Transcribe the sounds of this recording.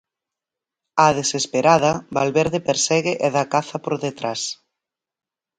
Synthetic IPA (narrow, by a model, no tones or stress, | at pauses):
aðesespeɾaðɐβalβɛɾðepeɾsɛɣɪʔeðakaθɐpoɾðet̪ɾas